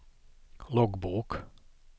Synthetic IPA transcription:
lɔɡbuːk

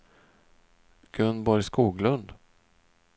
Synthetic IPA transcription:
ɡ̥ɵnbɔɾjskuːɡlɵnd̪

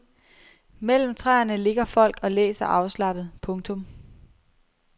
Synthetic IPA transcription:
mel̰m̩t͡sʰʁaːɐnəle̝ɡ̥ɐfɒ̽l̰ɡ̥ɒ̽lḛːsɐʔɑ̈ʊslɑ̈b̥ð̩ˠpʰɔ̽ŋt͡sʰɔ̽m

